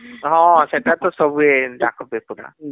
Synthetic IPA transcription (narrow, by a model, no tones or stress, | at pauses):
ɦɔ̃sɛtat̪ɔsɔbuɛdakʰɔpɛpʊna̰